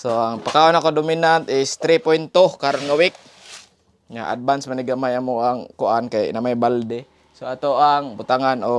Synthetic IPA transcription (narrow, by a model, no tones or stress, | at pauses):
soaŋpakaonakodominant̪ɪst̪ɾipojnt̪ohkaɾonŋawik̚ | ŋa̰ʔa̰d̚bansmaniɡamajamoʔaŋkʊʔankajnamajbald̪e | soat̪oaŋbʊt̪aŋano